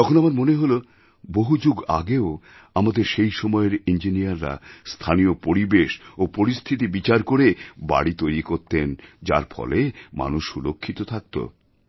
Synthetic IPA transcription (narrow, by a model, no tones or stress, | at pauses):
t̪ɔkʰonamaɾmoneɦolo | boɦud͡ʑoɡa̰ɡeo | amad̪eɾʃejʃɔmɔeɾind͡ʑinijaɾːa̰st̪ʰanijopoɾibeʃopoɾist̪ʰit̪̬ibit͡ɕaɾkoɾeba̰ɽit̪ojɾikoɾt̪end͡ʑa̰ɾfɔ̰lema̰nuʃʃulokʰːit̪ot̪ʰak̚t̪o̰